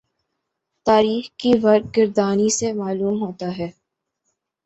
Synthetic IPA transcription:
t̪aːɾiːxkiʋɐɾd̪̚ɡɪɾd̪aːnisemaːluːmɦoːt̪aɦɛː

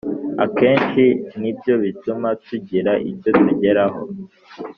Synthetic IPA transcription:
a̰ke̞ːnʃinibjo̞βitumatuɟiɾaʔḭco̞tuɟe̞ɾaɦo̞

